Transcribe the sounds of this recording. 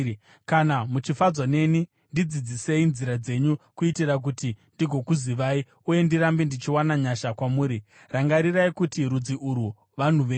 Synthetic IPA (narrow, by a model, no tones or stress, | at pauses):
kanamut͡ʃifad͡zwane̞ni | ndid͡zid͡zise̞inziɾad͡ze̞ɲukuitirak̬utindiɡʱo̞kuziʋai | uje̞ndiɾambendit͡ʃiwanaɲaʃakwamuːɾi | raŋɡaɾiraikutiɾud͡ziʔuɾu | ʋan̤uʋeː